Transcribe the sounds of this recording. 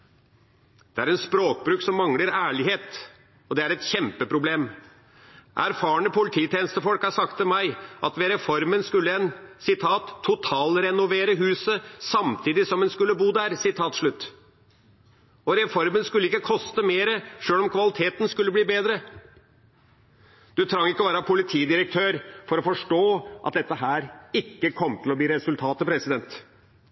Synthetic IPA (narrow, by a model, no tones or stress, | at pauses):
d̪̥ɛæɾɛnspɾoːk̚bɾʉːksɔmːɑŋləɾæːɭɪɦeːt̪ | ɔd̪ɛæɾɛt̪çɛmpəpʰɾʊbleːm | ʔæ̰ɾfɑːəɳəpʰʊlɪt̪ʰiːt̪ʰjeːnəst̪əfɔlkhɑsɑk̚t̪ːɪlmæɪʔɑt̪ʋɛɾɛfɔɾmənskʉlːəɛnsɪt̪ʰɑːt̪ʰːʊt̪ʰɑːlɾɛnʊʋeːɾəɦʉːsəsɑmt̪ʰiːd̪ɪsɔmɛnskʉlːəbuːd̪æɾsɪt̪ʰɑːt̪ʂɭʉt̪ː | ɔɾɛfɔɾmənskʉlːəɪkːəkʰɔst̪əmeːɾəʂøːlɔmkʰʋɑlɪt̪ʰeːt̪nskʉlːəbliːbeːd̪ɾə | d̪̥ʉt̪ʰɾɑŋːɪkːəɔʋæːɾəpʰʊlɪt̪ʰiːd̪ɪɾək̚t̪ʰøːɾfɔɾɔfɔʂʈoːʔɑ̰t̪̚d̪ɛt̪ːəɦæːɾɪkːəkʰɔmt̪ʰɪlɔbliːɾɛsʉlt̪ʰɑːt̪əpʰɾɛsɪd̪ɛnt̪